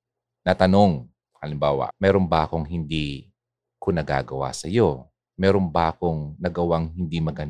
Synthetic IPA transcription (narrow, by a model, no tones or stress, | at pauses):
nɐt̪ɐno̞ŋ | hɐlɪmbaːwɐ̰mɛːɾombaːkoŋɦɪnd̪i | kʊnɐɡa̰ːɡɐwa̰sɐjo̞ | mɛːɾoŋbako̞ŋnɐɡɐwaŋhɪnd̪imɐɡɐn